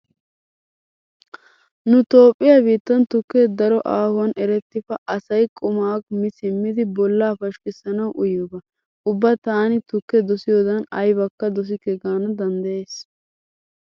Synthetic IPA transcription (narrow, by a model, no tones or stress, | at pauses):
nʊt̪o̞ːpʼːɪjabiːt̪ːɐnt̪ʊkːɛd̪ɐɾɔʔaːhʊwɐnʔɛɾɛt̪ːɪfɐʔɐsɐjkʼʊmaːkmɪsɪmːɪd̪ɪbɔlːaːfɐʃkɪsɐnɐwʔʊjɔbɐ | ʊbːɐt̪aːnɪt̪ʊkːɛd̪ɔsɪjoːd̪ɐnɐjbɐkːɐd̪ɔs̬ɪkɛɡaːnɐd̪ɐnd̪ɐjeːs